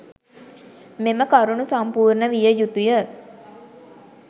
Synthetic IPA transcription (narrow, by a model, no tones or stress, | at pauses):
meməkaɾunusampuːɾnəʋijəjut̪ujə